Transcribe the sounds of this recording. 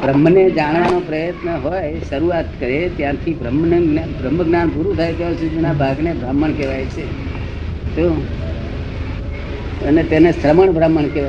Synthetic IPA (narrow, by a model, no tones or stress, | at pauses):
bʱɾəmːəned͡ʒaɳʋanopɾəjət̪nəɦojʃəɾuat̪kəɾet̪jãt̪ʰibɾəmnbʱɾəmːəɡnanpuɾut̪ʰajt̪eosud̪inabʱaɡnebʱɾaməɳkɛʋajt͡ʃʰe | t̪o | ənet̪enesɾəməɳbʱɾaməɳkɛ